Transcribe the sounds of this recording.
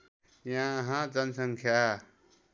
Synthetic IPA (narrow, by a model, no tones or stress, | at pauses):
jãɦãd͡zənsə̃ŋkʰjaː